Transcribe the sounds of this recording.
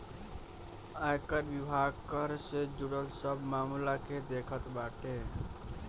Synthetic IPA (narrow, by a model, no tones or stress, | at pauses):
ajkəɾbibʱaɡkəɾsed͡ʒuɽəlsəbʱmamlaked̪ekʰət̪baʈe